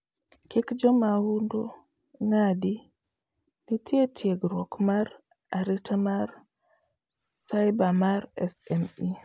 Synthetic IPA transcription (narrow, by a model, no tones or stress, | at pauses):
kikd͡ʒɔmaundo | ŋadi | nitʰjetʰjeɡɾɔkmaɾ | aɾitamaɾ | sajbamaɾɛsɛni